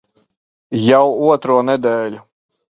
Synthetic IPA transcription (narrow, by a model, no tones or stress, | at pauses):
jawuɔt̪ɾuɔnɛd̪ɛːlʲʊ